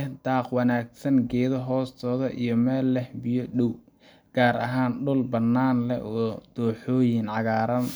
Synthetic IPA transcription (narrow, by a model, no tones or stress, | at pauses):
ɛd̪aːqwɑnaːɡsɐŋɡɛːðɔɦɔːst̪ʰɔːðɐʔḭjɞmɛːlːɛhbɪjɔɗɔw | ɡ̥aːɾɐ̰ɦaːnɖʊlbɐnːaːnlɛ̰ʔɔːd̪̥ɔːħɔːjɪnʕɑɣaːɾɐn